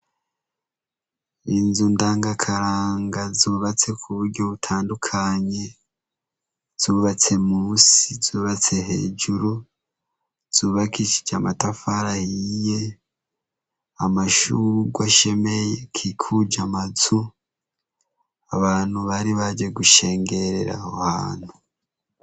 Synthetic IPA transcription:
inzundaːŋɡakʰaɾaːŋɡazuːβat͡se̞kʰuβuɾɟo̞βutʰaːndukʰaɲe̞ | z̥uːβat͡se̞muːsizuːβat͡se̞he̞̰ːd͡ʒuɾu | z̥uːβakiʃi̥d͡ʒamatafaɾahije̞ | amaʃuɡwaʃe̞mejekʰikʰud͡ʒamazu | aβaːn̥huβaɾiβad͡ʒe̞ɡuʃe̞ːŋɡe̞ɾe̞ɾa̰hohaːn̥u

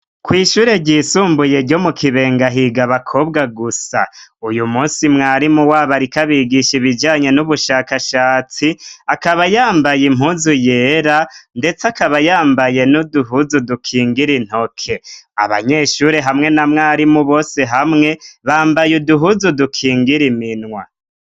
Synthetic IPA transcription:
kwiːʃuːɾe̞ɟiːsuːmbuje̞ɾɟo̞mukiβe̞ːŋɡaɦiɡaβakʰo̞ːbɡaɡusa̰ujumuːsimŋaːɾimuwaβaɾikaβiɡiʃiβid͡ʒaːɲe̞nuβuʃaːkaʃaːt͡siakaβajaːmbajimuːzuje̞ːɾande̞t͡sakaβajaːmbaje̞nuduɦuzudukʰiːŋɡiɾin̥ho̞kʰe̞a̰βa̰ɲe̞ːʃuɾeɦamŋe̞namŋaːɾimuβo̞ːse̞ɦamŋe̞βaːmbajuduɦuzudukʰiːŋɡiɾiminŋwa̰

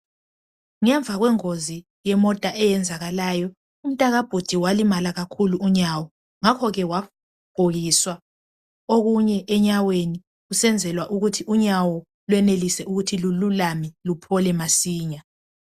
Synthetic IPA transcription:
ŋɛɱb̪vʱaɣwɛŋozi | jɛmɔtʼaʔɛjɛnd͡zʱaɣalaːjɔ | um̩tʼaɣab̥ʱud̥ʱiwalimalaɣakʰuluːɲawɔ | ŋakʰɔɣɛwa | b̥ʱoɣiswa | oɣuɲɛʔɛɲaweni | ɣusɛnd͡zʱɛlwaʔuɣutʰiʔuɲawɔ | lwɛnelisɛuɣutʰilululamɛlupʰɔlɛmasiːɲa

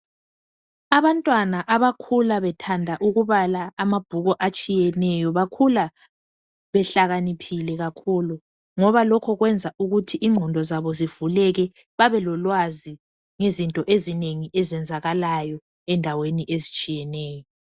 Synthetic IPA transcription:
aβantʼwanaʔaβakʰulaβɛtʰandʱaʔuɣuβalaːmab̥ʱuɣɔʔat͡ʃʼijɛnɛjɔβakʰula | βɛɬaɣanipʰilɛɣakʰulu | ŋɔβalɔkʰɔɣwɛnd͡zʱaʔuɣutʰiʔiŋ͡ǃʱɔndʱɔzaβɔziv̥ulɛɣɛ | βaβɛlɔlwazi | ŋezintʼɔʔezineŋiʔɛzɛnd͡zʱaɣalajɔ | ɛndʱaweniʔezit͡ʃʼijɛnɛːjɔ

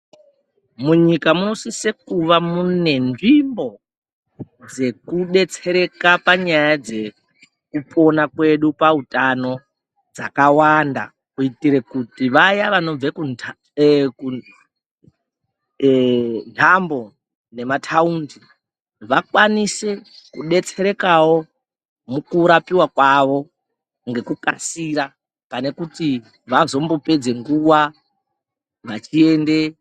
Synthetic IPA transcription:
muɲikamuno̞sisekuʋamune̞nʐimbo̞ | d͡ze̞kuɗe̞t͡se̞ɾe̞kapaɲajad͡ze̞ | kupʰʼo̞nakwe̞ɗupautano̞ | d͡zakawanda̰ | kuitiɾe̞kutiʋajaʋano̞b͡veku | ku | ntʰambo̞ | ne̞matʰaundi | ʋakwanise̞kuɗe̞t͡se̞ɾe̞kawo̞ | mukuɾapiwakwaʋo̞ | ŋɡe̞kuka̰siɾa | pane̞kuti | ʋazo̞mbo̞pe̞d͡ze̞ŋɡuwa | ʋat͡ʃie̞nde̞

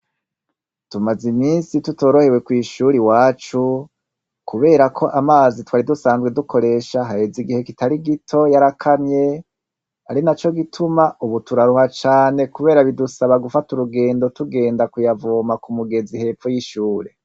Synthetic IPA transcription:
tumaziminsituto̞ːɾo̞he̞we̞kwiːʃuːɾiwaːt͡ʃu | kuβe̞ːɾakʰo̞ʔamaːzitwaːɾidusaːnzɡedukʰo̞ɾe̞ːʃaɦaheziɡihe̞kitaɾiɡitʰo̞jaɾakʰamɲe̞ | a̰ɾinat͡ʃo̞ɡitʰumauβutuɾaɾuhat͡ʃaːne̞kuβe̞ːɾaβidusaβaɡufatuɾuɡe̞ːndo̞tuɡe̞ːndakujavomakumuɡe̞zihe̞ːpfojiʃuːɾe̞

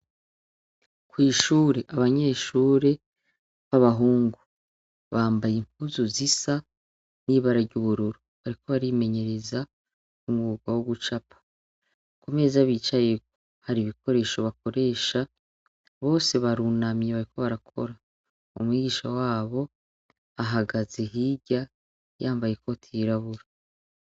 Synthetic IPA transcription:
kwiːʃuːɾe̞ʔaβaɲe̞ːʃuːɾe̞ | βaβaɦuːŋɡu | βaːmbajimpuzuzisa | niβaɾaɟuβuɾuɾu | βaɾiko̞βaɾime̞ɲe̞ɾe̞za | kumuuɡwawoɡut͡ʃapḁ | kume̞zaβiːt͡ʃajek̚oo | haɾiβiko̞ɾe̞ːʃo̞βako̞ɾe̞ːʃa | βo̞ːse̞βaɾuːnamjeβaɾiko̞βaɾakʰo̞̰ɾa | o̰mwiːɡiːʃawaːβo̞ | aɦaɡaze̞ɦiɟa | jaːmbaje̞ko̞tʰiɾaβuɾa

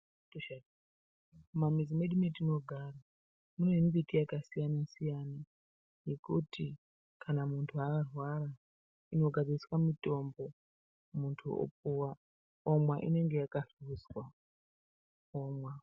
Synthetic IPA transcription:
toʃad | mamid͡zime̞ɗumitino̞ɡʱara | munoimbitijakasijanasijana | je̞kuti | kʰanamuntʰuakarwaɾa | ino̞ɡʱad͡ziiswamito̞mbo̞ | muntʰuo̰p̚uwa | omwaʔḭne̞ŋɡe̞jakaɬuzwa | omwa

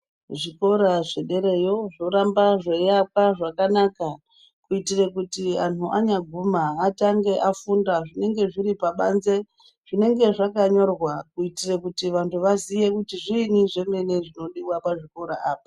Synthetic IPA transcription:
ʐiko̞ɾaʐe̞ɗe̞ɾe̞jo̞ʐo̞ɾambaʐe̞jakwaʐakanaka | kuitirekutian̤uʔaɲaɡʱumaːtaŋɡe̞ʔafundaʐine̞ŋɡe̞ʐiɾipaɓanze̞ | ʐ̥ine̞ŋɡe̞ʐakaɲo̞rwakuitirekutiʋantʰuʋazije̞kutiʐiniʐe̞ŋeneʐino̞ɗiwapaʐiko̞ɾaʔaːpḁ

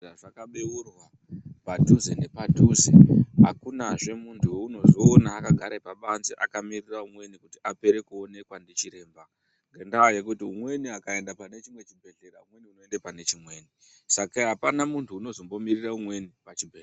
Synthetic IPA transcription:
aʐakaɓeurwa | patuzene̞patuzḛɦakunaʐe̞muntʰuweuno̞zoːnaːkaɡʱaɾepaɓanziʔa̰kamiriraumwe̞nikutiʔape̞ɾe̞kuo̞ne̞kwandit͡ʃiɾe̞ːmba | ŋɡendawajekutiumwe̞niakae̞ndapane̞t͡ʃimwe̞t͡ʃibʱe̞ɮe̞ɾaumwe̞niuno̞endepane̞t͡ʃimwe̞ːni | sakaɦapanamuntʰuːno̞zo̞mbo̞miriraumwe̞nipat͡ʃibʱe

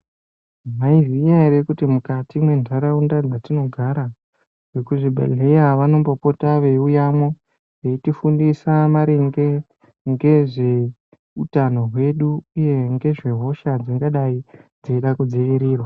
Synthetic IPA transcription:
maizijaiɾekutimukatimwe̞ndʱaɾaundad͡zatino̞ɡʱaɾa | wekuʐibʱa̰leaʋano̞mbopo̞taʋe̞ujamwo | ʋeitifundisamaɾeŋɡe̞ | ŋɡe̞ʐe̞ | utano̞ɦwe̞ɗuːje̞ŋɡe̞ʐe̞ɦo̞ʃad͡ziŋɡaɗaid͡zeiɗakud͡zeiɾiːrwa

